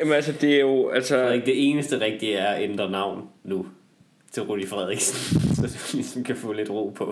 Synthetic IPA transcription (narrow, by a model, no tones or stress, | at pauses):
jæmnælsəd̥e̝æɐjo̝ælsəɡ̥̚d̥e̝e̝ːnəsd̥əʁɛɡ̥̚d̥iæɐɒʔend̥ʁɐnɑ̈ʊ̰nːu | t͡sʰe̝lʁudifʁɛð̞ˠʁiɡ̥snnsɒd̥ʋisɒmkʰæfɔ̰̽ːle̝d̥ʁo̝̰ːpʰɒ